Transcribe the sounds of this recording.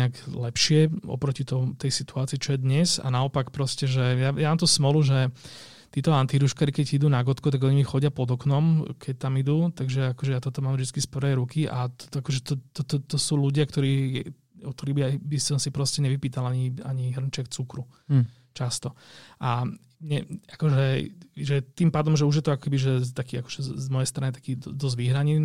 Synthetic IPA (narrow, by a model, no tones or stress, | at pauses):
ɛaɡlɛpʃɪɛɔ̰pɾɔcit̪ɔmut̪ɛjsit̪uaːt͡siːt͡ʃɔjɛd̪ɲɛza̰naɔpakpɾɔscɛʒɛjajamaːmt̪ɔsmɔluʒɛ | t̪iːt̪ɔant̪iɾuʃkaːɾikɛɟid̪uːnaɡɔt̪kut̪aɡɔɲimixɔɟɪapɔd̪ɔknɔmkʰɛc̚t̪amid̪uːt̪aɡʒɛakɔʒɛjat̪ɔt̪ɔmaːmvʒd̪it͡skispɔɾɛjɾukiʔa̰t̪akɔʒɛt̪ɔt̪ɔt̪ɔt̪ɔsuːluɟɪakt̪ɔɾiːɛ | ɔkt̪ɔɾiːbibisɔmsipɾɔscɛɲɛʋipiːt̪alaɲia̰ɲiɦr̩ɲt͡ʃɛkt͡sukɾu | t͡ʃast̪ɔʔa | ɲɛakɔʒɛʒɛt̪impaːd̪ɔmʒɛuʒjɛt̪ɔakɔ̥kɛbiʒɛt̪akiːakɔ̥ʒɛzmɔjɛjst̪ɾanit̪ḁkiːd̪d̪ɔzʋiɦɾaɲiː